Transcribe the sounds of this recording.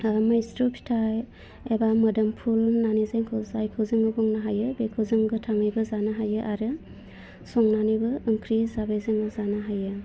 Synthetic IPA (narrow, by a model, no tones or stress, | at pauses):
majstupʰi̥tʰaj | ebamɐdɐmpʰulnanizajŋkʰɯzajkʰɯwzɯŋɯbɔŋnaɦajɯbekʰɯwzɯŋɡɯtʰaŋɯjbɯzanɯɦajɯʔaɾɯ | sɔŋnanibɯɯŋkʰɾizabejzɯŋɯzanɯɦajɯ